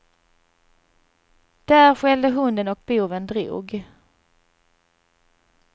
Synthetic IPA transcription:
d̪̥ɛæɾɧɛld̪əɦɵnd̪ənɔk̚buːvənd̪ɾṵːɡ

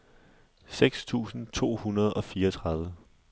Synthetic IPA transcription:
seɡ̥st͡sʰṵːsn̩t͡sʰo̝̰ːhunɐð̞̩ˠɒ̽fiːɐɒt͡sʰʁɑ̈ðˠʋə

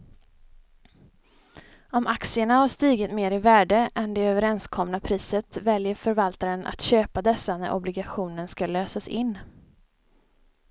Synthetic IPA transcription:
ɔmʔaksɪəɳahaʂt̪iːɡət̪meːɾɪvæːɖəʔɛnd̪ɛøːvəɾɛnskʰɔmnapʰɾiːsət̪vɛljəɾfœɾvalt̪aɾənʔa̰t̪ɕøːpad̪ɛsːanæɾʔɔ̰blɪɡaɧuːnənskaløːsasɪnː

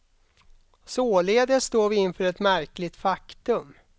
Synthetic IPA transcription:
soːleːd̪əst̪oːvɪɪnfœːɾɛt̪mæɾklɪt̪fakt̪ɵm

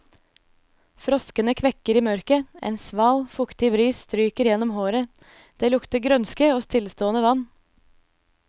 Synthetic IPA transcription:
fɾɔskənəkʰʋɛkəɾiːmœɾkəʔḛːnsʋɑːlfʊkt̪ɪbɾiːsst̪ɾyːkəɾjɛnɔmhoːɾə | d̪̥eːlʊkt̪̚əɡɾœnskəɔst̪ʰɪlst̪oːənəʋɑn

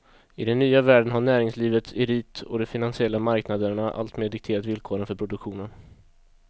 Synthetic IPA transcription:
ɪd̪ɛnːyːavæːɖənɦaɳæːɾɪŋsliːvət̪ɪɾiːt̪ɔ̰d̪ɔfɪnansɪɛlːamaɾknad̪əɳaʔa̰lt̪meːd̪ɪk̚t̪ʰeːɾat̪vɪlkʰoːɾənfœɾpʰɾʊd̪ɵkɧuːnən

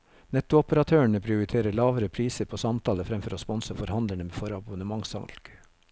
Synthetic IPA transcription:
nɛt̪ʊɔpəɾɑt̪ʰøːəɳəpʰɾɪʊɾɪt̪ʰeːɾəɭɑːʋəɾəpʰɾiːsəɾpʰoːsɑmt̪ʰɑːləfɾɛmfɔɾoːspɔnsəfɔɾhɑnd̪əɳəmeːfɔɾɑbʊnəmɑŋsɑ̰lɡ̥

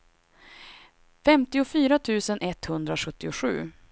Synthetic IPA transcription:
fɛmt̪ɪʊfyːɾat̪ʰʉ̟ːsənʔɛt̪hɵnd̪ɾaɧɵt̪ːɪʊɧʉ̟̰ː

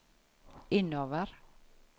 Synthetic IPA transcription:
ɪnoʋəɾ

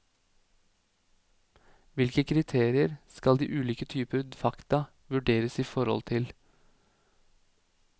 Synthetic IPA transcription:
ʋɪlkəkʰɾɪt̪ʰeːɾɪəɾskɑld̪ḭːʔʉːliːkət̪ʰyːpəɾd̪ɛfɑkt̪ɑ | ʋʉɖeːɾəsiːfɔɾɔ̰lt̪ʰɪl

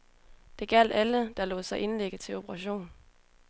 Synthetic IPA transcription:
d̥e̝ɡ̥æl̰d̥æləd̥ɑ̈lɔ̰ːðˠsɑ̈ɪʔe̝nleɡ̥ðt͡sʰe̝lo̝b̥əʁɑ̈ɕo̝̰ːn

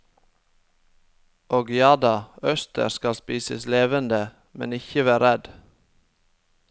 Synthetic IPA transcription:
ʔoːɡjɑːd̪ɑːœst̪ə̰ɾskɑspiːsəsleːʋənd̪ə | mɛ̰nɪçəʋæːɾɾɛd̪

